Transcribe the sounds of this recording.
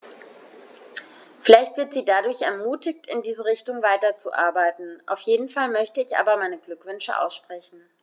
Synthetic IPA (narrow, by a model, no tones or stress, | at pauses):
fɪlaɪçtv̥ɪɐtz̥iːdadʊɐçɛɐmuːtɪçtɪndiːzəʁ̞ɪçtʊŋvaɪtɐt͡suʔa̰ɐbaɪtn̩ʔa̰ʊfjeːdn̩falmœçtəɪçʔa̰ːbɐmaɪnəɡlʏkv̥ʏnʃə̰ʔa̰ʊsʃpʁ̥ɛçn̩